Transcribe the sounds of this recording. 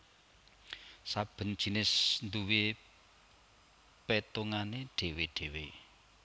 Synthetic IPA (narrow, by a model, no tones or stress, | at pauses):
sab̥ə̤nd̥ʒ̥i̤nɪsnd̪uwe | pet̪oŋaneɖ̥e̤weɖ̥e̤we